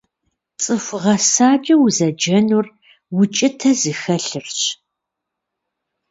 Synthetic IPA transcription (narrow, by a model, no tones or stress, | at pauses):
t͡sʼɨfʷʁɐsaːt͡ʃʼiwzɐd͡ʒɐnur | wʊt͡ʃʼɪtʰɐzɨxɐɬɨrɕ